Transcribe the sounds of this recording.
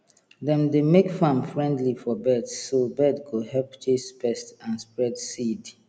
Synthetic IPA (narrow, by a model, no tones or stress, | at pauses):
ðɛ̃mdemekfãmfɹɛ̃ndlifɔbɛdsːobɛdɡoɦɛlpt͡ʃespɛstãnspɹɛdsid